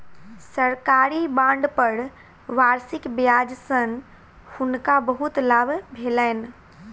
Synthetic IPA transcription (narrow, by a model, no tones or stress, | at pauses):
səɾkaːɾibãːɳɖpəɽ | ʋaːɾsɪkbjaːd͡ʒsən | hʊnkabɐɦut̪laːbbʱeːlaɪn